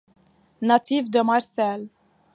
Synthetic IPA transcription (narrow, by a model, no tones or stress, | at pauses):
nat̪ivd̪əmaɾsɛl